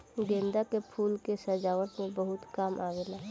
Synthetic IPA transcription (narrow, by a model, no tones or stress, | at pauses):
ɡẽːnd̪akepʰuːlkesəd͡ʒaːʋət̪mẽbəɦʊt̪kaːmʔaːɡelaː